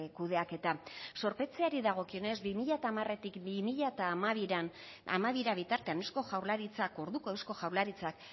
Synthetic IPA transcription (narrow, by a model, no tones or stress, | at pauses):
kuð̞eake̞t̪aso̞ɾpe̞t͡se̞aɾiðaɣ̞o̞kio̞ne̞zbimiʎat̪aːmare̞t̪ikbimiʎat̪aːmaβiɾan | a̰maβiɾaβit̪aɾt̪e̞anesko̞ʝawɾlaɾit͡sako̞ɾðuko̞e̞wsko̞ʝawɾlaɾit͡sak